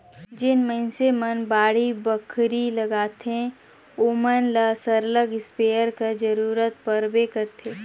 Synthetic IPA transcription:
d͡ʒɪnmənsemənbaːɽibəkʰɾilɐɡaːt̪ẽ | oːmənlasəɾləɡɪspeːəɾkad͡ʒəɾuːɾət̪̚pəɾbekɐɾt̪ʰeː

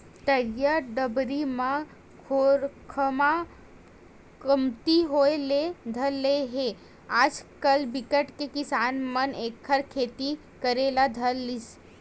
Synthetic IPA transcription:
ʈ̪əjəɾɖəbɾimã | kʰoɾkʰəma | kəmt̪iɦoeled̪ʱəlːeɦe | aːd͡ʒkəlbɪkəʈkekɪsaːnməneːkʰːəɾkʰeːt̪i | kəɾelad̪ʱəlːis

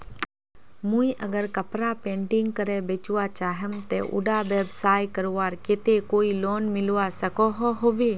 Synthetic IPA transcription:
muiʔəɡəɾkəpɾapẽːɳʈɪŋɡ̚kəɾebeːt͡ʃwat͡ʃaːɦəmt̪eʔʊ̰ɖaʋeːbsaːjkəɾʋaːɾket̪ekoːiloːnmɪlʋasəkɔɦɔɦoːbeː

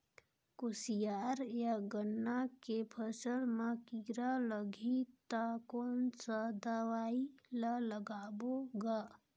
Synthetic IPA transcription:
kosijaːɾjaɡənːakepʰəsəlmakiɾaləɡʱit̪akoːnsad̪aʋaːilaləɡaːboɡa

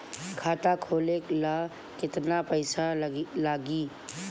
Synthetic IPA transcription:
kʰaːt̪akʰoːleklaː | kɪt̪napəɪsalaːɡiː

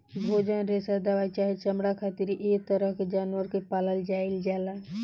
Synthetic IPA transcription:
bʱoːd͡ʒanɾesad̪aʋajt͡ʃaːɦet͡ʃəmɽakʰaːt̪ɪɾiʔeːk̚t̪əɾəɦked͡ʒaːnʋəɾkepaːləld͡ʒaːɪld͡ʒaːlaː

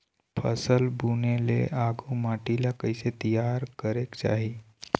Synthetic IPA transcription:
pʰə̰səlbʱunelḛʔaɡumaʈilakəjset̪ijaɾkəɾekt͡ʃa̰ɦi

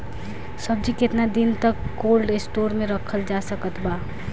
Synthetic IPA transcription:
səbd͡ʒiket̪nad̪int̪əkːolɖesʈoɾmeɾəkʰəld͡ʒasəkət̪ba

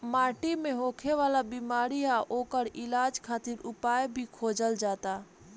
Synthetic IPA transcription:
maːʈimẽɦoːkʰeʋaːlabimaːɾiaʔoːkəɾɪlaːd͡ʒkʰaːt̪iɾʊpaːjbʱikʰoːd͡ʒəld͡ʒaːt̪a

